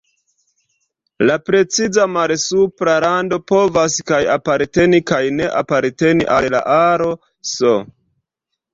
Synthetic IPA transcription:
lapɾe̞t͡sizamalsupɾaɾando̞po̞vaskajapaɾte̞nikajne̞ʔapaɾte̞nḭʔalla̰ʔaɾo̞ | so

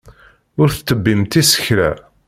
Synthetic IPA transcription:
ʊɾθt͡s̪ːəbːimt̪isə̥çɾæ

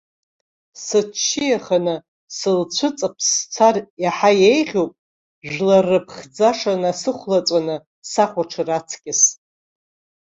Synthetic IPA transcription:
sɨt͡ʃʰːijaχanɨ | sɨlt͡ɕʷʰʊt͡sʼapʰst͡sʷʰarjaħajejʁʲowpʼ | ʒʷᶣlarɨpʰχd͡zaʂanasɨχʷlat͡sʼanɨ | saχʷaʈ͡ʂʰɨrat͡sʰkʲʼɪs

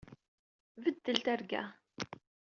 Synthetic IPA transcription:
vəd̪ːəlt̪æɾɡæ̰

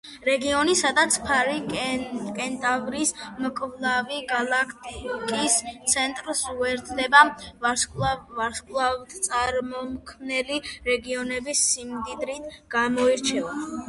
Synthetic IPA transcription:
ɾɛɡiɔnisad̪at̪sʰpʰaɾi | kʼɛnt̪ʼavɾismkʼvlˠaviɡalˠakʰt̪ʼikʼist̪sʰɛnt̪ʼɾsuɛɾt̪ʰlɛba | vaɾskʼlˠat̪sʼaɾmɔmkʰmnɛliɾɛɡiɔnɛbisːimd̪id̪ɾit̪ʰɡ̥amɔiɾt͡ʃʰɛa

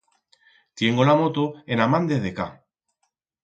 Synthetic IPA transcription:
t̪je̞ŋɡolamot̪oenamand̪eðeka

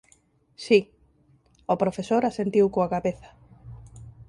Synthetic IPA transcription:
si | opɾofesoɾasent̪iwkoakaβeθɐ̥

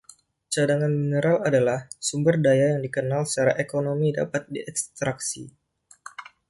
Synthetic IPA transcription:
t͡ʃadaŋanminəɾaladalahsumbərdajajaŋdikənalsət͡ʃaɾaʔekonomida̰pat̪̚diʔɛkst̪ɾaksḭ

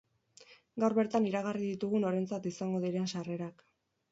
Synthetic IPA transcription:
ɡawɾβe̞ɾt̪aniɾaɣ̞ariðit̪uɣuno̞ɾe̞nt͡sat̪isaŋɡo̞ðiɾe̞nsare̞ɾak

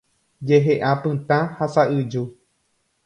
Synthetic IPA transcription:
d͡ʒeɦeʔãpɨ̃t̪ãhasaɨd͡ʒu

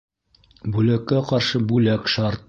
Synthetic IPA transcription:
bʉlækːæqɑɾʃɤbʉlækʃɑɾt̪̚

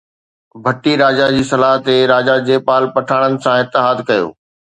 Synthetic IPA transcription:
bʱɐʈiɾaːd͡ʑad͡ʑiːsɐlaːɦt̪eɾaːd͡ʑad͡ʑeːpaːlpɐʈʰaːɽ̃ənɪ̆sãɪt̪ːɪɦaːd̪kɐjo̰ː

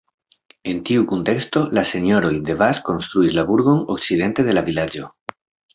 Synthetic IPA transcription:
e̞ntiukunte̞ksto̞lase̞no̞ɾo̞jd̪e̞vasko̞nst̪ɾuislabuɾɡo̞nok̚t͡side̞nte̞ðe̞lavilad͡ʒo̞

